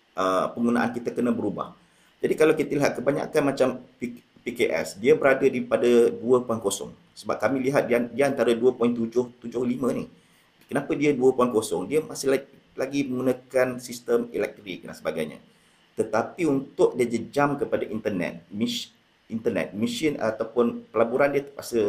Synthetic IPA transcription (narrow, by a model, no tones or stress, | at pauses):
ʔəpəŋɡunã̰ʔa̰nkit̪akənãbəɾuba̰h | d͡ʒadikalawkit̪əliɦat̪̚kəbaɲa̰kanmat͡ʃampi | pikeʔɛ̰sdiabəɾadədipadaduəpuankosɔ̰ŋ | səba̰p̚kamĩliɦat̪̚ddiəant̪aɾaduəpɔiŋt̪ud͡ʒʊht̪ud͡ʒʊhlimə̃nih | kənapədiəduəpuankosɔ̰ŋdiəmasɪ | laɡiməŋɡunəkansist̪əmḭlɛk̚t̪ɾik̚da̰nsəbaɡajɲə̰ | t̪ət̪apiunt̪ʊʔ̚diəd͡ʒəd͡ʒamkəpadaʔint̪ərnɛ̰t̪̚mi | int̪ərnɛ̰t̪̚miʃina̰t̪awpʊnpəlabuɾandiət̪əpasə